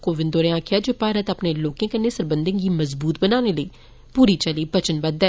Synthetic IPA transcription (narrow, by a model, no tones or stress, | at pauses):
koːʋɪnd̪oːɾẽãːkʰjaːd͡ʒoːpaːɾət̪əpneːloːkẽːkənːeːsəɾbənd̪ẽːɡiːməzbuːt̪bənaːneləiː | puːɾiːt͡ʃəliːbət͡ʃənbəd̪ɛ